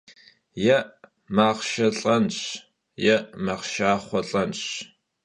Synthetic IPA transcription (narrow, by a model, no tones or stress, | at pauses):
jɛʔ | maːʁʃɐɬʼɐnɕ | jɛʔmaqʃaːχʷɔɬʼɐnɕ